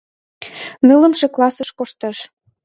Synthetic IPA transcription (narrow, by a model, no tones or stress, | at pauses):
nələ̆mʃĕklɑsəʃkoʃt̪ə̆ʃ